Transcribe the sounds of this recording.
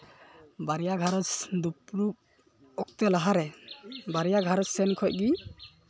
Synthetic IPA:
baɾijaɡʱaɾɔsd̪upɾup̚ | ɔk̚t̪ɛlaɦaɾɛbaɾijaɡʱaɾɔsːɛnkʰɔʔ̚ɡi

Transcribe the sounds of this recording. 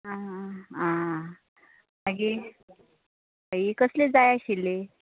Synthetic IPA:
aɦãã | maɡi | əikəsled͡zajaɕilːe

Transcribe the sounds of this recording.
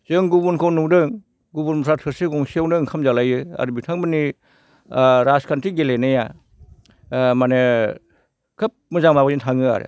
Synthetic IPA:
z̥ɯŋɡubunkʰownuwdɯŋ | ɡubunɔsʰatʰɯɾsɯɡɔŋsiawndɯŋkʰamzalajɯa̰ɾɯbitʰaŋbɯni | ɾaskʰantɾiɡelenɯja | mane | kʰɯp̚mɯzaŋmabazintʰaŋɯa̰ɾɯ̰

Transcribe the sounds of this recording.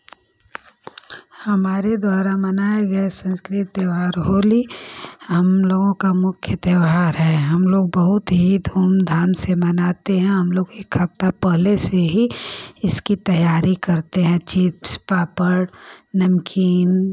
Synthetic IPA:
hɐmaːɾed̪waːɾamɐnaːeɡɐesə̃nskɾɪt̪eʋaːɾɦoːliɦɐmloːɡõkamʊkʰjət̪eʋɦaːɾɦɛɦɐmloːɡ̚bɐɦʊt̪ɦid̪ʱuːmd̪ʱaːnsemɐnaːt̪eɦɛ̃ɦɐmloːɡekʰɐp̚t̪apəɦleseɦiɪskit̪ɐjaːɾikɐɾt̪eɦɛ̃t͡ʃɪpspaːpəɽnɐmkʰiːn

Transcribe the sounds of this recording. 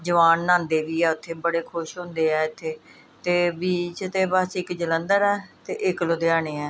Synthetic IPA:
d͡ʒəʋaːnːãːnd̪eːʋiːɛːʊt̪ʰːeːbəɽeːkʰʊʃɦʊ̃nd̪eːɛːɪt̪ʰːeː | t̪eːbiːt͡ʃt̪eːbəsɪkd͡ʒələnd̪əɾɛːt̪eːʔɪklod̪eaːɳeːɛː

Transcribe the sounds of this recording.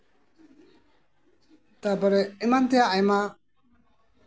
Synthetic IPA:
t̪abəɾɛimant̪ijaajma

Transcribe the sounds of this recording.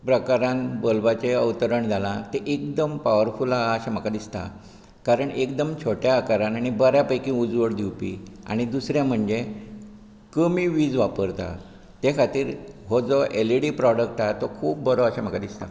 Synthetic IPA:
pɾəkaɾãnbolbat͡ɕeəʋt̪əɾəɳd͡zʱalãt̪eʔek̚d̪əmpaʋəɾfulaəɕam̤əkad̪ist̪a̰ | kaɾəɳekd̪əmt͡ɕʰoʈjaːkaɾãnaɽ̃ibəɾjapəjkĩud͡zʋəɽd̪iwpia̰ɽ̃id̪usɾjãm̤əɳd͡ze | kəmiʋiːd͡zʋapəɾt̪a̰ | t̪ekʰat̪iːɾɦod͡zɔʔeliɽipɾɔɽək̚ʈat̪okʰuːp̚bəɾoəɕam̤əkad̪ist̪a̰

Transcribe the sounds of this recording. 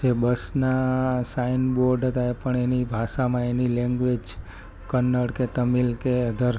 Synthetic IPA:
d͡ʒebəsnasainboɾɖʱɦət̪aepəɳenibʱasamãenilɛ̃ŋɡʋed͡ʒ | kənːəɽket̪əmilkeəd̪ʱəɾ

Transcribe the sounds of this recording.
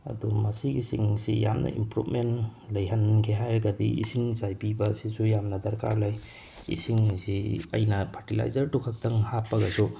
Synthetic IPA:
ɐ̰dumɐsiɡisiŋsija̰mnɐ̰ʔḭmpɾubmenlɐjɦɐnkʰeɦajɾɐɡɐdiḭsiŋzajbibɐsisujamnɐdɐɾka̰ɾlaj | ḭsiŋsiɐ̰jnɐpʰatila̰jzɐɾtukʰɐk̚tʰɐŋhapːɐɡɐsu

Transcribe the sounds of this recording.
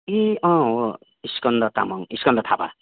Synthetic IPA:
eɔ̃o | iskɔnd̪ɔt̪a̰mɔŋiskɔnd̪ʌt̪ʰaba̰

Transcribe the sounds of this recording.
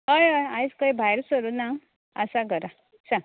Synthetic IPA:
ɦəjɦəjãjd͡zkəjbʱajɾsəɾuna | əsaɡʱəɾa | sa

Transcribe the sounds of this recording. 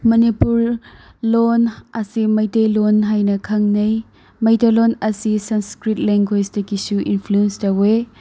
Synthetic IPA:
mɐnipuɾlonɐsimɐjtejlonɦajnɐkʰɐŋnɐj | mɐjtɐlonɐsisɐnskɾit̚leŋɡwed͡ʒdɐkisuʔḭnpʰluenstɐwe

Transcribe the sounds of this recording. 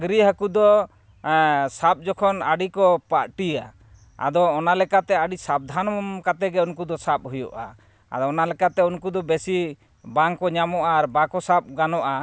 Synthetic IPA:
ɡɾiɦakud̪ɔ | sap̚ˀd͡ʒɔkʰɔna̰ɖikɔpaɾʈia̰ | a̰d̪ɔːnalɛkat̪ɛaɖisab̚d̪ʱanɔmkat̪ɛɡɛunkud̪ɔsap̚ɦujɔ̰ʔa̰ | a̰d̪ɔɔnalɛkat̪ɛunkud̪ɔbesi | baŋkɔɲamɔʔaːɾbakɔsap̚ɡanɔʔa

